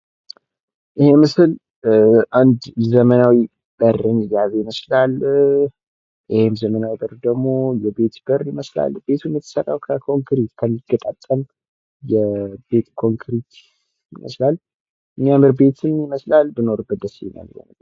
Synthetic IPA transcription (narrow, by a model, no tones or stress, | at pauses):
ʔɨhe̞mɨsɨl | ʔand̪zəmənawi | bərɨnɨjaβejiməslal | ʔɪhemzəmənawibəɾd̪əɡmo̞jɛbe̞t̪b̥əɾɪməsla̰lb̥e̞t̪ʰumjɨt̪ʰːɨ̥sərːa̰wkʰəkʰo̞ŋkʰɾit̪kʰəmːiɡət̪ʼat̪ʼːəm | jɛbe̞t̪kʰo̞ŋkʰɾit̪ | jɪmʔə̰slal | ʔɨɲːamɨɾbe̞t̪ʰɨnjiməslalbɨno̞ɾbət̪d̪əsḭna̰lwo̰nə